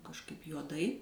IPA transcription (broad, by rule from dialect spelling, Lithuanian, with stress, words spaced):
kɐʃˈkɐɪp juɔˈdɐɪ